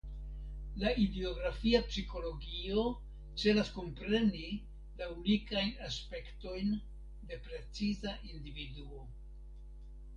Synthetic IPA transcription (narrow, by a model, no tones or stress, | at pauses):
laʔideoɡɾafiapsiko̞lo̞ɡio | t͡se̞lasko̞mpɾe̞ni | launikajnaspe̞kto̞jn | de̞pɾe̞t͡sizaʔindividuo̞